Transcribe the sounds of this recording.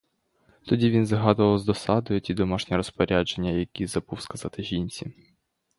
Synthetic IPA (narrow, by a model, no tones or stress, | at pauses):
t̪ɔdʲiʋʲinzɐɦɑd̪ʊʋɐwzd̪ɔsɑd̪ɔjʊtʲid̪ɔmɑʃnʲiɾɔspɔɾʲad͡ʒe̞nʲːɐjɐkʲizɐbuwskɐzɑt̪ɪʒʲinʲt͡sʲi